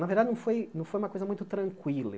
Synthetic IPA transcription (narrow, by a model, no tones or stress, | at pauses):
nɐveɾd̪ad͡ʒɪnɐ̃w̃fojnɐ̃w̃fojũmɐkojzɐmũj̃t̪ʊt̪ɾɐ̃ŋkwilɐ̰